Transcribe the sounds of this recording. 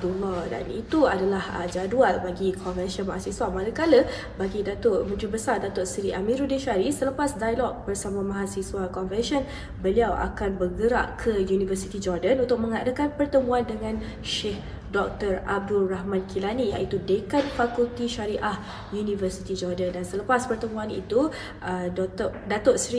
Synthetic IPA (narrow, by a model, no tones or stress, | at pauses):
dulːɔda̰nit̪uadalahə̰d͡ʒadualbaɡikʰɔnvɛnsɔnmaɦasiswamaləkalə | baɡidat̪ʊʔmə̃nt̪ɾibəsardat̪ʊʔsiɾiʔamiɾudiʃaɾisələpasdajlɔk̚bərsamamãɦasiswakɔnfɛnsɔn | bəliawʔa̰kanbərɡəɾa̰ʔkʰəjunivərsit̪id͡ʒɔrdənunt̪ʊk̚mə̃ŋadakanpərt̪əmũandəŋãn | ʃeh | dɔk̚t̪ərab̚dulraɦmãnkilanijait̪udekat̪̚fakult̪iʃaɾiʔah | junĩvərsit̪id͡ʒɔrdəndansələpaspərt̪əmuanḭt̪u | ʔə | dat̪oʔsɾi